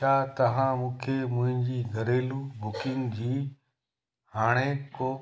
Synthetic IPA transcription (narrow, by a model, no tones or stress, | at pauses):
aːt̪ɐʋ̤ãmũːkʰemʊ̃ɦɪ̃nd͡ʑiːɡʱɐɾeːlubʊkɪŋɡd͡ʑiː | haːɽ̃ekoː